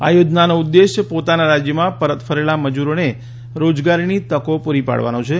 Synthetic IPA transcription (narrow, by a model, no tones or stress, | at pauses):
a̰jod͡ʒnanoud̪ːeʃpot̪anaɾad͡ʒjəmãpəɾət̪fʰəɾelaməd͡ʒuɾone | ɾod͡ʒɡaɾinit̪əkopuɾipa̰ɽʋa̰nõt͡ʃʰe